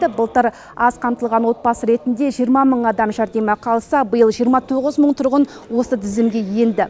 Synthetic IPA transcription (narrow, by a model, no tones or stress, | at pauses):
ɪbəlˠt̪əɾ | ɑzqʰɑmt̪əlˠʁɑnwo̞t̪̚bɑsəɾe̞t̪ɪnd̪e̞ʒijəɾmɑməɴɑd̪ɑmʒæɾd̪e̞mɑqʰɑlˠsɑbəjəlˠʒijəɾmɑt̪ʰoʁəzməɴt̪ʰʊɾʁən | wo̞səd̪ʰɪzɪmɡʲe̞je̞nd̪ɪ